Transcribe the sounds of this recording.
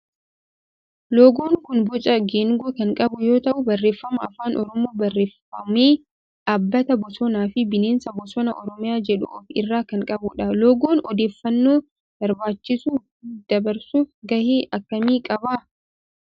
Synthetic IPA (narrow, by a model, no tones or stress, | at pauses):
loːɡoːŋkʊnbʊt͡ʃʼɐɡeːŋɡukɐŋkʼɐbʊjo̞ːt̪ɐʔʊbɐrːe̞ːfːɐmɐɐfaːnʔɔɾɔmoːbɐrːeːfɐmeː | ʔaːbːɐt̪ɐbɔsɔnaːfɪbɪneːnsɐbɔsɔnɐʔɔɾɔmɪjaːd͡ʒɛᶑʊ̰ɔfɪ̰rːaːkɐŋkʼɐbʊᶑɐloːɡoːnɔd̪e̞ːfːɐnːoː | b̥ɐɾbaːt͡ʃːɪsuː | d̪̥ɐbɐɾsuːfɡɐheːʔɐkːɐmiːkʼɐbaː